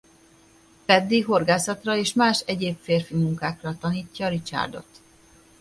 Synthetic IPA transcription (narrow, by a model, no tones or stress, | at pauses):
fɛd̪ːiɦo̞rɡaːsɒt̪rɒeːʃmaːʃɛɟeːpfeːrfimuŋkaːkrɒt̪ɒniːcːɒːɾit͡ʃa̰ːrd̪o̞̰t̪